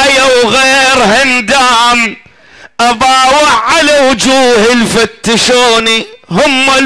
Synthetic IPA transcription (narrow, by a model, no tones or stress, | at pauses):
ajawɣeːɾhɪnd̪aːm | ʔabɑːwaʕalawʊd͡ʒuːhɪlfat̪ːɪʃoːnihʊmːa